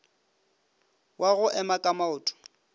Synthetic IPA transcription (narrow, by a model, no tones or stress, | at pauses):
wʔaɣʊʔɛmakʼamaʊːtʼʊ̥